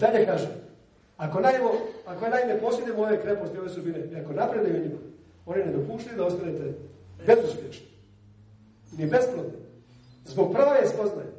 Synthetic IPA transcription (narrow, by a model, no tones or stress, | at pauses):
d̪aʎekaːʒem | ako̞naimoakojenaimepoːsiɡ̪nemoːjekɾepost̪ioʋe̞sud̪bineiako̞napɾed̪ajuɲima | o̞ːnine̞d̪opuːʃt̪ajud̪ao̞st̪anet̪e̞be̞zuspʲjeʃni̥ | inibe̞spnot̪ne | zbo̞ɡ̚prʋaespoznaje